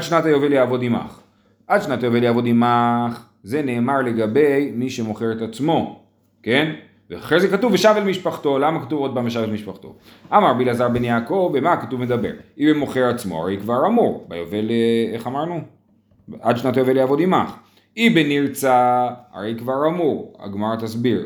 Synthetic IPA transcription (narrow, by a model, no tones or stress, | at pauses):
ad̪ʃnatajoveljaːvo̞d̪ima̰χ | ʔad̪ʃnatajoveljaːvo̞d̪imaχ | ze̞ne̞ːmaʁle̞ɡabe̞jmiʃe̞mo̞χeʁet̪at͡smo̞ | ke̞n | veaχʁezekatuveʃavelmiʃpaχt̪o̞lamakatuvod̚bambeʃ̬avelmiʃpaχt̪o̞̰ʔamaʁabilazaʁbenjaːko̞vemakatuvmed̪abeʁibemo̞χeʁat͡smo̰a̰ʁejkvaʁamuʁbajoveleeχamaʁnu | ad̪ʃnat̪ojveleaːvo̞d̪imaχ | ibeniʁt͡saa̰ʁejkvaʁamuʁa̰ɡmaʁat̪asbiʁ